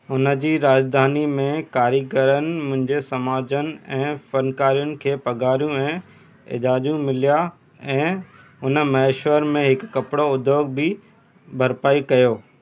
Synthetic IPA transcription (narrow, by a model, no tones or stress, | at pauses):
ʊnə̆d͡ʑiːɾaːd͡ʑd̪ʱaːnimẽkaːɾikəɾənɪ̆mʊ̃ɦɪ̃ɲd͡ʑesɐmaːd͡ʑənɪ̆ɛ̃ːfɐnkaːɾijʊnɪ̆kʰeːpɐɡʱaːɾijũɛ̃ː | ɪ̰d͡ʑaːd͡ʑjũmɪlija | ɛ̃ː | ʊnəmɐeʃwəɾmẽɦɪkːɐpɪɽoʊd̪ʱjoːɡ̚bɪ | bʱɐɾpaːikɐjoː